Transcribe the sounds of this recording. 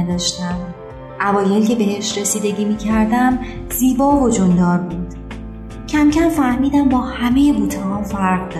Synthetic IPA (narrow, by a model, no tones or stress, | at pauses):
d̪ɒːʃt̪æm | ʔævɒːjelcʰe̞be̞ɦeʃɾesiːd̪e̞ɟʲiːmiːcʰæɾd̪æm | ziːbɒːvod͡ʒond̪ɒːɾbuːd̪̥ | cʰæmcʰæmfæhmiːd̪æmbɒːhæme̞je̞buːt̪ʰehɒːfæɾʁd̪